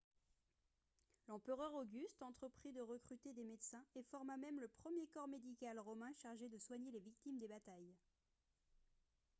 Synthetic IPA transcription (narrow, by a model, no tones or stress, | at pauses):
lɑ̃pəʁœʁoɡʲyst̪ɑ̃t̪χəpχid̪əʁəkχyt̪ed̪emed̪sɛ̃efɔʁmamɛmləpχəmjekɔʁmed̪ikʲalʁɔmɛ̃ʃaʁʒed̪əswaɲelevik̚t̪imd̪ebat̪aj